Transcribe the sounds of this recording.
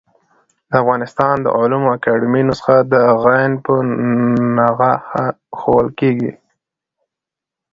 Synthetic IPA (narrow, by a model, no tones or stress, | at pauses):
d̪əafɣɑnɪst̪ɑnd̪ə̰ʕʊlumoakaɖɪminosə̥xad̪əɣajnpə | naɣaa | xowəlkeɡḭ